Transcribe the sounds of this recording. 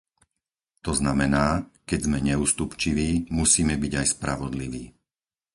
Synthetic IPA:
t̪ɔznamɛnaːkɛɟzmɛɲɛuːst̪upt͡ʃiʋiːmusiːmɛbiɟajspɾaʋɔd̪liʋiː

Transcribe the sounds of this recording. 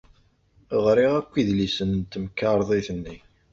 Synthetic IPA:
ʁɾiʁækʷːiðlisənt̪ːəmkːaɾˤðˤiθənːi

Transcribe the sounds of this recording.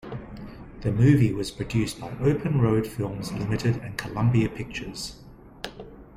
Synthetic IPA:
ðəmʉːviwɒz̥pʰɹ̥ədjʉˑsb̥aɪʔəʊpʰə̃nɹəʊd̥fɪlˠmzlɪmɪtʰɪdə̰̃nkʰəlʌ̃mbiəpʰɪk̚t͡ʃəz̥

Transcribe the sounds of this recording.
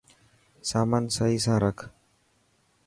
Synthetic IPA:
saːmaːnsəɦiːsãːɾəkʰ

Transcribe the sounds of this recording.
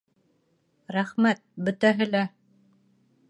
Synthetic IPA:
ɾæχmæt̪̚bɵ̆t̪æɦɘ̆læ

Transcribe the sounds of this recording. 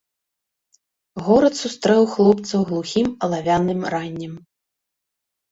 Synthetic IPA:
ɣɔɾɐt̪sust̪ɾɛwxlˠɔp̚t̪sɐwɣlˠuxʲimɐlˠavʲanɨmranʲːɛm

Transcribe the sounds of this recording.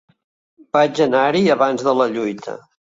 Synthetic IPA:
b̥ad͡ʒənaɾiəβanzðələʎujt̪ʰə̰

